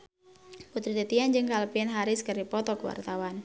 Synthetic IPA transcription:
put̪ɾit̪ət̪iand͡ʒɨŋkalpiɛnɦaɾiskəripɔt̪ɔkəwa̰rt̪awan

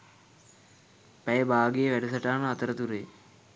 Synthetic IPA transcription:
pæjəbaːɡejəʋæɖusɐʈaːnəat̪əɾət̪uɾeː

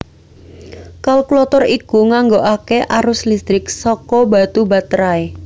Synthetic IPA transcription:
kalɔklɔt̪ɔrikuŋaŋɡoʔakeʔaɾʊslist̪ɾɪksɔkɔba̤t̪ubat̪ɾae

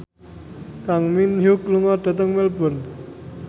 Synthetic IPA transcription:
t̪aŋminɦukluŋaʈət̪̬əŋmelpəɾn

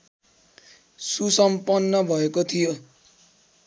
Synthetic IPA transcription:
susʌmpʌnːʌbʱʌekot̪ʰijo

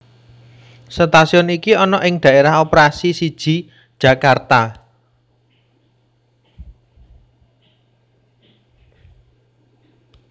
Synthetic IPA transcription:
sət̪asiɔnikiɔnɔʔɪŋɖ̪̥ä̤ʔeɾaɦopɾasisid̥ʒ̥i̤ | d̥ʒ̥a̤kart̪a

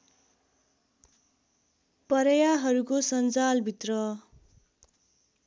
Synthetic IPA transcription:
pʌɾʌjaɦʌɾukosʌnd͡zalbʱit̪rʌ

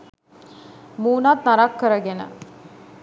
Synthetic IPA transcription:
muːnat̪naɾakːəɾəɡenə̰

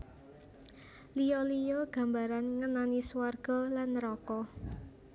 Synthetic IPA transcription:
lijɔlijɔɡ̥a̤mbaɾanŋənanisuwarɡ̥ɔ̤lanɾɔkɔ

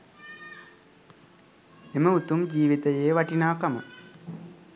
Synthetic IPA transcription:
emɐut̪umd͡ʒiːʋit̪ɐjeːʋɐʈinaːkɐmɐ̰

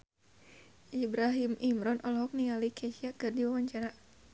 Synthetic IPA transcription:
ʔibɾaɦimimɾɔnʔɔlɦɔk̚niŋalikʰɛʃiakɨrdiwawaɲt͡ʃaɾa

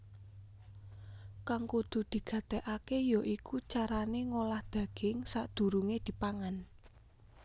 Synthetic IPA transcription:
kaŋkod̪̥o̤d̪̥i̤ɡ̥ä̤t̪ɛʔakejɔʔikut͡ʃaɾaneŋolahd̪̥ä̤ɡ̥ɪŋsaʔd̪̥ṳɾuŋed̪̥i̤paŋan

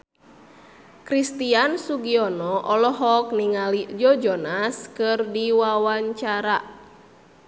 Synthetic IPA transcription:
kɾist̪iansuɡiɔnɔʔɔlɔɦɔk̚niŋalid͡ʒɔd͡ʒɔnaskɨrdiwawaɲt͡ʃaɾa

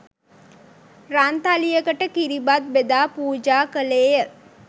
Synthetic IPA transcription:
ɾant̪alijəkəʈəkiɾibat̪̚bed̪aːpuːd͡ʒaːkəleːjə

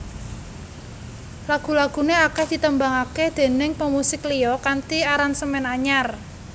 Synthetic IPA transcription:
laɡ̥ṳlaɡ̥ṳneakɛhd̪̥i̤t̪əmbaŋaked̪̥e̤nɪŋpəmusɪklijɔkant̪iaɾansəmɛnaɲar

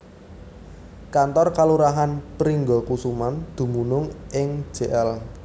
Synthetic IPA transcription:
kant̪ɔrkaluɾaɦanpəɾiŋɡɔkusumand̪̥ṳmunʊŋʔɪŋ̥ʒ̥e̤ʔɛl

